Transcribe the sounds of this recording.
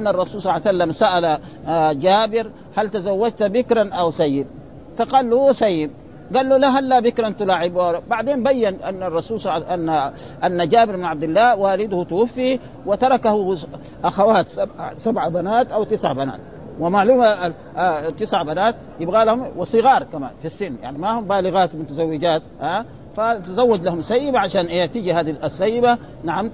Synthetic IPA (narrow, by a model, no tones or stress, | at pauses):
ʔanːaɑrˤːɑsuːlsˤɑlasalːamsaʔala | d͡ʒaːbɪɾ | halt̪azawːad͡ʒt̪abɪkɾˤanʔawsajːib | fɑqɑːlːusajːib | ɡalːulaɦalːabɪkɾˤɑnt̪ulaːʕɪbuʔabaʕd̪eːnbajːanʔa̰nːarˤːɑsuːlsˤanːa | ʔanːad͡ʒaːbɪɾmɪnʕab̚d̪ilːaːwaːlid̪hut̪wafːi | wɪt̪ɑɾˤɑkahu | ʔaxawaːt̪sabsabʕabanaːt̪ʔawt̪ɪsʕa̰bana̰ːt̪̚ | wɪmaʕluːma | t̪ːɪsʕabanaːt̪̚ | jɪbɣaːlahumwɪsˤɨɣɑːɾˤkama̰ːnfisːɪnːja̰ʕnimahumbaːlɪɣaːt̪mʊt̪azawːɪd͡ʒaːt̪ʔaː | fat̪azawːad͡ʒlahumsajːɪbaʕaʃaːnʔeːt̪id͡ʒihaːd̪iasːajːɪba | naʕam